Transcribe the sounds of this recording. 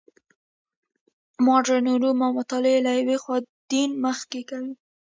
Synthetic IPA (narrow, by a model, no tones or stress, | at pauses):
mɑɖaɾnuɾumawmʊt̪ɑlɪelajawexwɑd̪̥inməxkekawi